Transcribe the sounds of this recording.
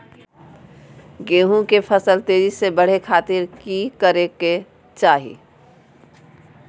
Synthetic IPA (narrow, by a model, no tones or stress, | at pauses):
ɡeːɦũkepʰəsəlt̪eːɾisebəɽ̤ekʰaːt̪ɪɾkikəɾeke | t͡ʃaːɦḭ